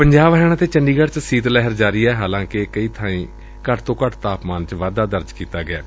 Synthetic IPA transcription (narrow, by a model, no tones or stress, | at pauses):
pəɲd͡ʒaːʋɦɛːɽ̃aːt̪eːt͡ʃəɳɖiːɡəʈt͡ʃsiːt̪lɛɦəɾd͡ʒaːɾiːɛːɦaːlãːkɪkəiːt̪ʰaːĩː | kəʈʰt̪õːkəʈʰt̪aːpmaːnt͡ʃʋaːd̪aːd̪əɾd͡ʒkiːt̪aːɡɪa̰ː